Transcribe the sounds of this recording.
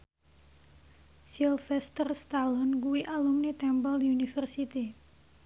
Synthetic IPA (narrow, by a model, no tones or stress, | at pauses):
silfɛst̪ərst̪alɔnk̬uwiʔaluŋnit̪ɛmbəljunifərsit̪i